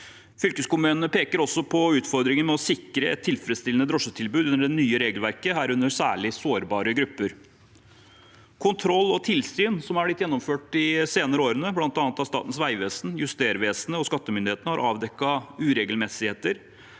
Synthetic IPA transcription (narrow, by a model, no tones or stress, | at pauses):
fʏlkəskʊmʉːnnəpʰeːkəɾɔsːɔpʰɔʉːt̪fɔɾd̪ɾɪŋənmɛɔsɪkɾəɛ̰t̪ʰːɪlfɾɛt̪st̪ɪlənəd̪ɾɔʂːət̪ʰɪlbʉːʉnːəɖɛnyːəɾeːɡəlʋæɾkəɦæːɾʉnəɾsæːɭɪsoːɾbɑːɾəɡɾʉpːəɾ | kʰʊnt̪ʰɾɔlːɔt̪ʰɪlsyːnsɔmæblɪt̪ːjɛnːɔmføːʈːɪseːnəɾəoːɾənəblɑnt̪ɑːnət̪ɑst̪ɑ̰ːt̪ən̩sʋæɪʋeːsn̩jʉst̪eːɾʋeːsnəɔskɑt̪ːəmʏnd̪ɪheːt̪nəhɑɾʔɑːʋd̪ɛkːɑʉːɾeːɡəlmɛsɪheːt̪əɾ